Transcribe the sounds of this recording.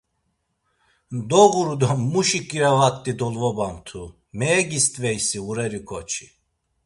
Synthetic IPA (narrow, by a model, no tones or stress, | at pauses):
d̪ɔɣuɾud̪ɔːuʃikʼiɾavakʼt̪ʼid̪ɔlvɔbant̪ʰu | mɛːɡist̪ʼvɛjsiuɾɛɾikʰʼɔt͡ʃʰi̥